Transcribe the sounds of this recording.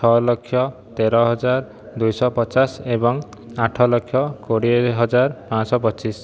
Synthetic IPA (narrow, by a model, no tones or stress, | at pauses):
t͡ʃʰɔlɔkʰːjɔt̪eɾɔɦɔd͡ʒaɾ | d̪ujsɔpɔt͡ʃasebɔŋ | aʈʰɔlɔkʰːjɔkoɽiɦɔd͡ʒaɾpãsɔp̬ɔt͡ʃis